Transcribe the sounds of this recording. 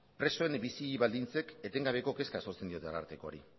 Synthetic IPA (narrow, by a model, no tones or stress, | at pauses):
pɾe̞so̞e̞mbisiβald̪int͡se̞ke̞t̪e̞ŋɡaβ̞e̞ko̞ke̞skaso̞ɾt͡send̪io̞t̪eala̰ɾt̪e̞ko̞a̰ɾḭ